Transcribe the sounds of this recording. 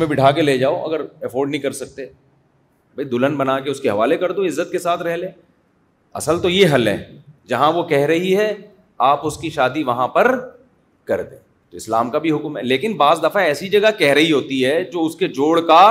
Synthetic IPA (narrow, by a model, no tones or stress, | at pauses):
mẽbɪʈʰaːk̬eleːd͡ʒaːoʔɐ̰ɡəɾɛfʰoːɾɖnəɦĩkɐɾsɐk̚t̪e | bʱɐid̪ʊlənbɐnakeʊskeɦɐʋaːlekɐɾd̪õɪzːət̪̚kesaːt̪ʰɾɛɦlẽː | ɐ̰səlt̪ojeɦɐlɦɛ̰̃ːd͡ʒɐɦãʋokɛɦɾɐɦiɦɛ | aːpʊskiʃaːd̪iʋɐɦãpɐɾ | kɐɾd̪ḛ̃ː | t̪oɪslaːmkabʱiɦʊkmɦɛleːkɪnbaːzd̪ɐfaɛːsid͡ʒɐɡakɛɦɾɐɦiɦoːt̪iɦɛd͡ʒoːʊsked͡ʒoːɽka